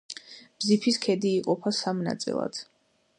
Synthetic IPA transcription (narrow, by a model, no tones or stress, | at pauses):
b̥zipʰiskʰɛd̪iːqʼɔpʰasamna̰t̪sʼḭlˠa̰d̪̥